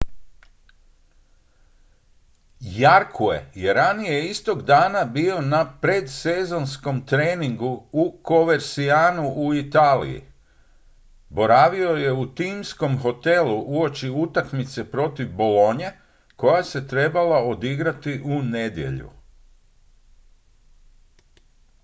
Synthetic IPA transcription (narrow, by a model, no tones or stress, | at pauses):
jaɾkʰue̞̰je̞ɾanijeist̪o̞ɡd̪aːnabio̞napɾe̞d̪se̞zo̞nsko̞mt̪ɾe̞ːniŋɡuuko̞ʋe̞ɾsiaːnuʔuit̪aːlḭjḭ | bo̞ɾaːʋio̞je̞ut̪iːmsko̞mɦo̞t̪e̞luʔuo̞t͡ʃiut̪akmit̪se̞pɾo̞t̪iʋbo̞lo̞ɲe̞ | ko̞jase̞t̪ɾe̞balao̞d̪iɡɾat̪iʔune̞d̪je̞̰ʎṵ